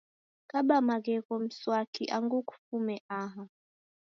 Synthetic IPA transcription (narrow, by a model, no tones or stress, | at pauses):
kaɓamaɣɛɣɔm̩swakʰiʔaŋɡuku̥fumɛʔaɦa